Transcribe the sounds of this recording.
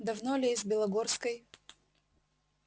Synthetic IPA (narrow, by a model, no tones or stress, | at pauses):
d̪ɐvnolʲezʲbʲɪlˠɐɡorskəj